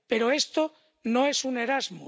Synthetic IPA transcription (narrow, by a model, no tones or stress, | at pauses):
pe̞ɾoe̞st̪o | noesune̞ɾazmṵ